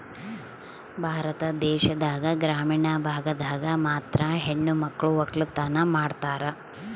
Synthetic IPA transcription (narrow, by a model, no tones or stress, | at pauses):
bʱaːɾɐt̪ɐd̪ɛːʃɐd̪aːɡɐɡɾaːmiːɳɐbʱaːɡɐd̪aːɡɐmaːt̪ɾɐɦeɳːumɐkːɐɭuʋɐklut̪ːaːnɐmaːɖt̪aːɾɐ